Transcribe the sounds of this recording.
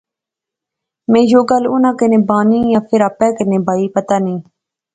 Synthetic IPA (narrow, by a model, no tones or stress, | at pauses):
mẽːjoːɡəlʊnãːkənẽːbaːnĩːjãːpʰɪɾapɛ̃ːkənẽːbaːiːpət̪aːnĩː